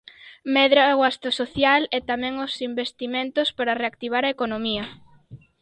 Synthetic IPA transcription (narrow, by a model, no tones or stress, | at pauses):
mɛðɾaɣwast̪asoθjalɛt̪amɛ̃ŋosimbest̪imẽnt̪ʊspaɾɐreak̚t̪iβ̞aɾɐekonomiɐ